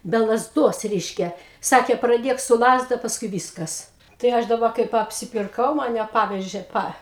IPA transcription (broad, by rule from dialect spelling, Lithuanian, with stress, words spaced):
bʲɛ lˠɐzˈduɔs ˈrʲɛɪʃʲkʲɛ ˈsɑːkʲeː prɐˈdʲeːk sʊ ˈlˠɑːzdɐ pɐsˈkʊɪ ˈʋʲiːskɐs tɐɪ ˈɐʃ dɐˈbɐ kɐɪp ɐpʲsʲɪpʲɪrˈkɐʊ mɐˈnʲɛ ˈpɑːʋʲɛʒʲeː ˈpɐ